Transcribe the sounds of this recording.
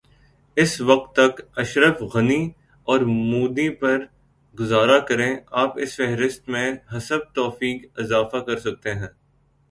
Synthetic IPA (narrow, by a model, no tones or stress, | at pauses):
ɪsʋɐq̚t̪ːɐkɐʃɾəfɣɐni | ɔːɾmuːd̪ipɐɾ | ɡʊzaːɾakɐɾẽaːpɪsfɛɦɾɪst̪mẽɦɐsəb̚t̪ɔːfiːkɪzaːfakɐɾsɐk̚t̪eɦɛ̃ː